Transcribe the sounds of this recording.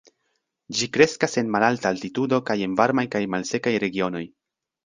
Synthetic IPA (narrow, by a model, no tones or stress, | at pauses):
d͡ʒikɾe̞skase̞nmalaltaːltitudo̞kaje̞nvaɾmajkajmalse̞kajɾe̞ɡio̞no̞j